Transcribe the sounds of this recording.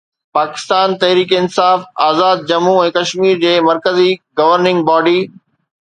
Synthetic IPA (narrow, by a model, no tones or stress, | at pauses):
paːkɪ̥st̪aːnt̪ɐɦɾiːkeɪnsaːfaːzaːd̪̚d͡ʑɐmuɛ̃ːkɐʃmiːɾd͡ʑeːmɐɾkəziɡɐʋəɾnɪ̃ŋɡbaːɖiː